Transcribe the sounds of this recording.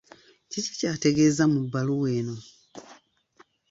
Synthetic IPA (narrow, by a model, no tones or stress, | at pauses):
cici̥caːte̞ɡe̞ːzamubːaluweːno̞